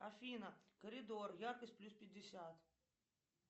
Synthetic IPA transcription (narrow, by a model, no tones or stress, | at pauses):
afʲinəkəɾʲɪd̪orjarkəsʲtʲplʲuspʲɪdʲːɪsʲat̪